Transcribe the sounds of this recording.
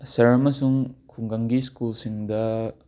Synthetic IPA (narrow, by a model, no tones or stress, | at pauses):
sɐɾɐmɐsuŋkʰuŋɡaŋɡiskulsiŋdɐ